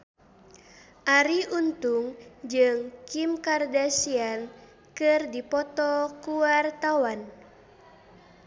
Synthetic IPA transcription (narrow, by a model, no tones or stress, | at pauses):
ʔaɾiʔunt̪uŋd͡ʒɨŋkimkardasian | kɨrdipɔt̪ɔkuwart̪awan